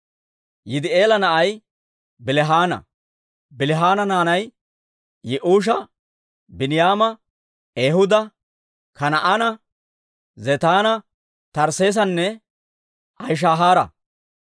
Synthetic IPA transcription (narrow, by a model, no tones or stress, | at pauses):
jɪd̪ɪʔeːlɐnɐʔɐj | bɪlɛɦaːnɐ̰ | bɪlɪɦaːnɐnaːnɐj | jɛʔuːʃ̬ɐ | bɪnɪjaːmɐ | eːhʊd̪ɐ | kɐnɐʔanɐ | zet̪aːnɐ | t̪ɐɾse̞ːs̬ɐnːɛ | ɐjʃ̬aːɦaːɾɐ̰